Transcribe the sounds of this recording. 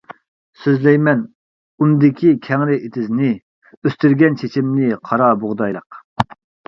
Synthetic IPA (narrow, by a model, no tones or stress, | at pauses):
søzlɛjmɛn | und̪ɪkʲʰikʲʰɛŋɾɪʔet̪ʰɪznɪ | øst̪yɾɡʲɛnt͡ʃʰet͡ʃʰimnɪqʰɑɾɑboʁd̪ɑjlˠəq